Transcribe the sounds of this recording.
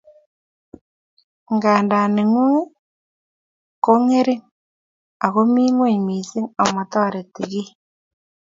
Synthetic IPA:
ŋɡaː˨nda˨ne˨ŋu˦ | ko˦ŋe˦ɾi˦ŋ | a˨ɣo˦mi˦ŋwo˦i˨mi˨si˦ŋa˨ma˨tɔ˦˨ɾe˨ti˨ɣi˦

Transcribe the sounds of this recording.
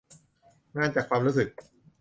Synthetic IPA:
ŋaː˧˥˩nt͡ɕaː˨˩kʰwaː˧mɾuː˦˥sɯ˨˩k̚

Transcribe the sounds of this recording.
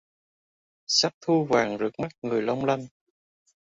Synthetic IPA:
sa˦˥p̚t̪ʰu˧vaː˨˩ŋzɨ˨˩ək̚ma˦˥t̚ŋɨ˨˩əjlə˧wŋ͡mla˧n

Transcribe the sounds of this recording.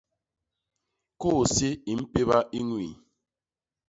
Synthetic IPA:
ko˦˨si˦i˨m̩˦pe˦βa˦ʔi˦ŋwḭ˨

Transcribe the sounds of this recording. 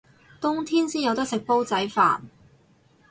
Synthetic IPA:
t̪ʊ˥ŋt̪ʰiː˥nsiː˥jɐ˨˧wt̪ɐ˥k̚sɪ˨k̚po˥wt͡sɐ˨˥jfa̰ː˨n

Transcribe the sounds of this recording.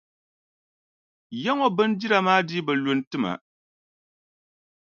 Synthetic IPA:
jɛ˦ŋo˦bɨ˦ndi˦ɾa˨maː˦di˦bɨ˨lʊ˨n˦tɨ˦ma̰˨

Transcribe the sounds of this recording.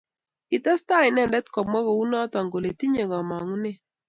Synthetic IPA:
ɪ˨tɛ˦sta˦˨ɪ˨nɛ˦˨ndɛ˦t̪kɔ˨mwa˦ɣo˨u˦nɔ˦ta˨ŋɡo˨le˨ti˦ɲe˨ɡɔ˨ma˨ŋu˦nɪ˦˨

